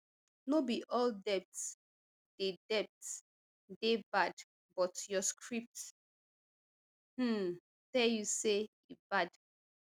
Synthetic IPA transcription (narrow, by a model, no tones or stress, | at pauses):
nobiʔɔldɛp̚ts | d̥edɛp̚t | debad | bɔtjɔskʰɹip̚t | hm̩ | tɛljuse | ibad